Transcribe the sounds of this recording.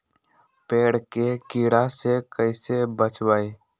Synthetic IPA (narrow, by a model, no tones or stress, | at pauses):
peːɽkekiːɽasekəɪsebət͡ʃwaːe